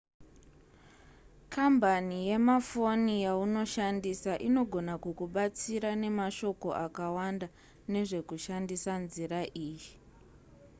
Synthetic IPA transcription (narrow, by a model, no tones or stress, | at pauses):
kambʱanije̞mafo̞nijauno̞ʃandisaʔino̞ɡʱo̞nakukuɓat͡siɾane̞maʃo̞ko̞ʔakawanda | ne̞ʐe̞kuʃandisanziɾaʔiːji